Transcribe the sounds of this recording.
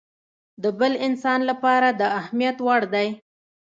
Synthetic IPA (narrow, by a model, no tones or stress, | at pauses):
d̪əbəlɪnsɑnlapɑɾad̪əahmijat̪wɑɽd̪aj